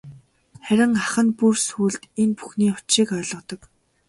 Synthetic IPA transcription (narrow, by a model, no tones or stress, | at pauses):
χæɾʲɪ̆ŋaχə̆npursuːɮt̪enpu̥xniːχʊ̥t͡ɕʃiːkœːɮɞ̆t̪ɞ̆k